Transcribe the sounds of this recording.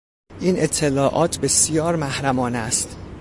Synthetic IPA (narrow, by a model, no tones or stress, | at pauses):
ʔiːne̞t̪ʰːelɒːʔɒːt̪ʰbe̞sijɒːɾmæhɾæmɒːnæst̪